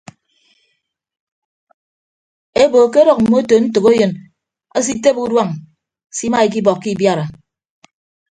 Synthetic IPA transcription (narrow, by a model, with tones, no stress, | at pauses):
e˦bo˨ke˦ɾɔ˨k̚m̩˨mo˦to˨n̩˦tɨ˨ko˦jɨ˨n | a˦s̬i˦te˦pu˦dwa˦ŋ | si˦ma˦e˨k̬i˦bɔ˨kːi˦bja˦ɾa˨